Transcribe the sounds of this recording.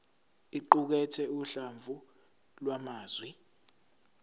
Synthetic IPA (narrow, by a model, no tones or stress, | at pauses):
iǃuk̬ɛtʰɛuɬaɱvʱu | lwamaːzwi